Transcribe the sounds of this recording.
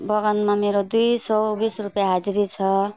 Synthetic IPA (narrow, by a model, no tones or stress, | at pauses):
bʌɡʌnmameɾod̪ujsʌbisrupjaɦad͡zɾit͡sʰʌ